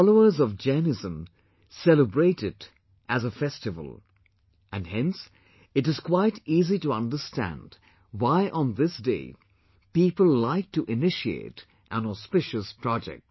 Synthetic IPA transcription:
lˠoʊə˞zʌvd͡ʒɛnɨzə̃m | sɛlˠəbɹeɪɾɨɾ | ʔɨzəfɛstɨvə̰l̩ˠ | ʔɨ̃nhɛ̃ns | ɨɾɨz̥kʰw̥aɪtiːziɾəʌ̃ndə˞stæ̰̃nd | waɪʔə̃nðɪsd̥ḛɪ | pipəl̩ˠlaɪk̚tɨʔɪnɪʃiḛɪɾ | ʔə̃nɔspɪʃɨspʰɹ̥ɑd͡ʒɛ̰k̚t̚

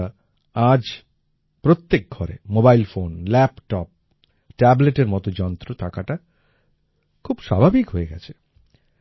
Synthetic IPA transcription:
a | ad͡ʑ | pɾot̪ːek̚ɡʱɔɾḛmobajlfonlɛpʈɔp̚ | ʈɛbleʈeɾmɔt̪od͡ʑɔnt̪ɾot̪ʰakaʈa | kʰubʃa̰bʱabikɦoeɡɛ̰t͡ɕʰe̥

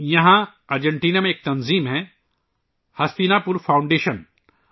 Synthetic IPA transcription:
jɐɦã | ɐɾd͡ʒẽɳʈiːnamẽeːk̚t̪ɐnziːmɦɛ̃ː | hɐst̪iːnapʊɾfʰaːwʊ̃ɳɖeːʃən

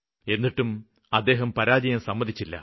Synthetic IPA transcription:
e̞nːiʈːum | ɐd̪ːe̞ːɦɐmpɐɾaːd͡ʑɐjɐmsɐmːɐðit͡ɕːilːɐ̰

